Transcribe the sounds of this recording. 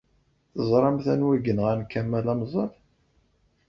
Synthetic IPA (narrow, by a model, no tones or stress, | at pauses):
θəzˤɾˤɑmθænwæɡənʁænkæmːælæmzˤəl